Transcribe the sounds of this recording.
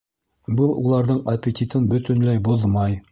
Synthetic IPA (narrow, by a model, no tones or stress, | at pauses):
bɤlˠṵlˠɑɾðɤɴɐpʲet̪ʲit̪ɤnbɵ̆t̪ɵ̆nlæjbuðmɑj